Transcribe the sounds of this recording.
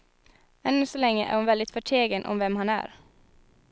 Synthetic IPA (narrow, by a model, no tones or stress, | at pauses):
ɛnːəsɔlɛŋːəʔæ̰ɾhʊnʋɛld̪ɪt̪fœʈʰeːɡənʔɔ̰mʋɛmhɑnæ̰ːɾ